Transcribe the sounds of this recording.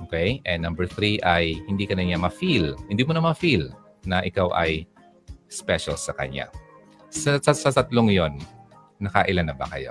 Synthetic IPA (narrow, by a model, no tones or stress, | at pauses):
ʔokɛjʔɛnɐmbɛɹθɾiʔɐjhɪnd̪iːkɐnɐɲamɐfilhɪnd̪iːmʊnɐmɐfil | nɐʔɪkawʔɐ̰j | spɛʃɐlsɐkɐ̰ɲa̰ | sɐsɐsɐt̪ɐt̪loŋjo̞nː | ɐkɐʔɪlanːɐbɐ̰kɐjo̞̰